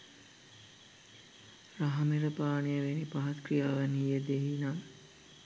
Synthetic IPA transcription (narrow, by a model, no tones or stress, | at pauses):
raɦɐmeɾəpaːnejəʋenipaɦaskrijaːʋænɦijəd̪eɦinaŋ